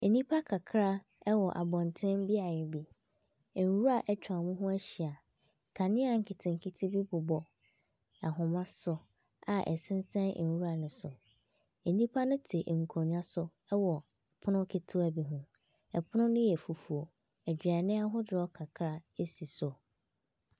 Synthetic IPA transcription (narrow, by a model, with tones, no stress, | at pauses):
e˨nĩ˦pʰa˦kʰa˨kʰɾa˦ | ɛ˦wɔ˨ʔa˨bɔ̃˨ntʰɪ̃˦m˦bi˦a˨jɛ˨bi˨ | n˨wu˦a˨ʔɛ˦t͡ɕʰᶣa˨mũ˦ɦʊ̃˦æ˦ɕi˨a˨ | kʰa˨nɪ̃˦a˨ŋ̩˨kʰɪ˨tʰɪ̃˨ŋ˨kʰɪ˦tʰɪ˦bi˦bʊ˨bɔ˨ | a˨ɦʊ̃˨mã˦sʊ˨ | a˨ʔɛ̰˨sɪ̃˦n˦tʰã˦˨wu˦a˨nʊ̃˨sʊ˨˦ | di˦pʰa˦nʊ̃˦tʰɪ˨ʔŋ̩˨kʰo˨ɲ˨˦ã˦sʊ˦ | ɛ˦wɔ˨ | pʰʊ˦nʊ̃˦kʰɪ˦tʰʊ˦æ˨bi˨ɦʊ̃˦ | ɛ˨pʰʊ˦nʊ̃˦nʊ̃˦jɛ˨fu˨fu˨o˨ | ɛ˨d͡ʑᶣi˨a˨nɪ̃˦a˦ɦʊ˦dɪ˨ɔ˦kʰa˨kʰɾa˦e˦si˨sʊ˨